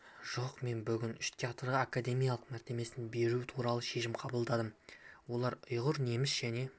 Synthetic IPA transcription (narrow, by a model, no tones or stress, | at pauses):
ʒ̥o̞qme̞nbʏɡʲɪnʏʃt̪ʲʰeat̪rʁakad̪e̞mijalˠəqmæɾt̪e̞me̞sɪnbe̞ɾuɪt̪ʰuɾɑlˠəʃe̞ʃɪmqʰɑbəlˠd̪ɑd̪əmwo̞lˠɑɾʊjʁʊɾne̞mɪsʒ̥æne̞